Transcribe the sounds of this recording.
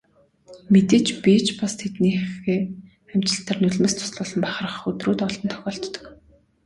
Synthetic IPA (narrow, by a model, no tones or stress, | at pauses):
met̪eːt͡ɕpit͡ɕpast̪ʰet̪niːxeː | æm̥t͡ɕɪ̆ɬt̪ə̆rnɵɮmeːst̪ʰʊ̥sɮʊːɮə̆mpæχə̆rə̆χɵt̪ruːt̪ɔɮɞ̆nt̪ʰœ̥xʲɔːɬt̪ːɞ̥̆k